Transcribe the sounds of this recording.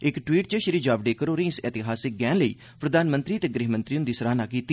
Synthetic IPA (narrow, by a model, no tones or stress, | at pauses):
ɪkʈwiːʈ̚t͡ʃəʃəɾiːd͡ʒaːbɖeːkəɾoːɾĩːɪsɛːt̪ɪɦaːsɪk̚ɡɛːnləḭː | pɾəd̪aːnmə̃nt̪ɾiːt̪eːɡɾiːɦmə̃nt̪ɾijʊnd̪iːsəɾaːnaːkiːt̪iː